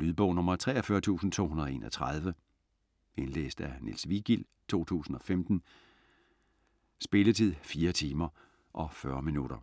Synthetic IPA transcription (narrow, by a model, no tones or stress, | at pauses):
lyðˠb̥ɔ̽ʊ̰nɔ̽mɐt͡sʰʁɛ̰ːɒfɶɐt͡sʰṵːsn̩t͡sʰo̝̰ːhunɐðˠe̝ːnʔɒ̽t͡sʰʁɑðˠʋə | e̝nlḛːsd̥ænḭlsʋiɡ̥il̰ | t͡sʰo̝̰ːt͡sʰṵːsn̩ɒ̽femd̥n̩ | sb̥e̝lət͡sʰið̰ˠfiːɐt͡sʰiːmɐ | ʔɒ̽fɶɐminuɾ̥ɐ